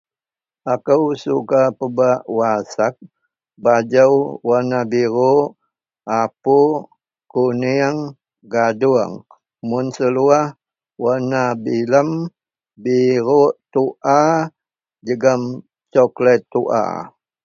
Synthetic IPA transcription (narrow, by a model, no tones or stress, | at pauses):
akəwsukapəbaʔwasak̚ | bad͡ʒəwwanabiɾu | ʔapu | kuniəŋ | ɡaduəŋ | mʊnsəluah | wanabiləm | biɾuʔt̪uʔa | d͡ʒəɡəm | t͡ʃɔklət̪ːuʔa̰